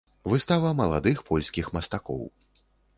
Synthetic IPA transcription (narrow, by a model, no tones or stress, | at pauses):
vɨst̪avɐmɐlˠa̰d̪ɨxpʰɔlʲsʲkʲixmɐst̪akɔ̰w